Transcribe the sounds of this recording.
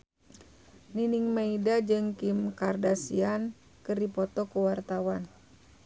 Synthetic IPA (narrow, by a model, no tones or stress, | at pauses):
niniŋmaidad͡ʒɨŋkimkardasian | kɨrdipɔt̪ɔkuwart̪awan